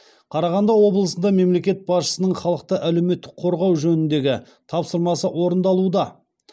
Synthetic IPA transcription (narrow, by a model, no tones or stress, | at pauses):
qʰɑɾɑʁɑnd̪ɑwo̞blˠəsənd̪ɑme̞mle̞kʲe̞t̪̚bɑsʃə̥sənəɴχɑlˠəq̚t̪əʔælewme̞t̪ːɪk̚qʰo̞ɾʁɑwʒɵnɪnd̪e̞ɡʲɪ | t̪ʰɑpsəɾmɑsəʔwo̞ɾənd̪ɑlˠud̪ɑ